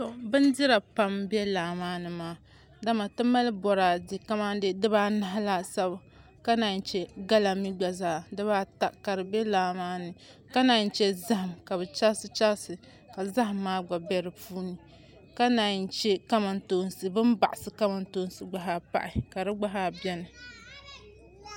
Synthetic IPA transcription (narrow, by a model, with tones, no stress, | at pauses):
to˨bɨ˦n˦di˦ɾa˨pa˦mbɛ˦laː˨maː˦nɨ˨maː˦ | da˦ma˨tɨ˦ma˦lɨ˦bɔ˨ɾaː˨di˨ka˦ma˦de˦dɨ˦baː˦na˨ɦa˦la˦sa˦ba˨ | ka˦naː˨n̩˦t͡ʃɛ˦ɡa˦la˨mi˦ɡ͡ba˨zaː˦˨dɨ˦βaː˦ta˦ka˨ɾɨ˨bɛ˦laː˨maː˦nɨ˨ | ka˦na˨n̩˦t͡ʃɛ˦za˦ha˨mka˨βɨ˨t͡ʃa˦sɨ˦t͡ʃa˦lsɨ˨ | ka˨za˦ɦa˨mːaː˦ɡ͡ba˨bɛ˦ɾɨ˨puː˦nɨ˨ | ka˦na˨n̩˦t͡ʃɛ˦ka˦ma˨nto˦nsɨ˨bɨ˦mba̰˨ʔɪ˨sɨ˨ka˦ma˨nto˦n˦sɨ˨ɡ͡ba˦ɦa˦pa̰˦ʔɪ˨ka˨ɾɨ˦ɡ͡ba˦ɦa˦bɛ˦nɨ˨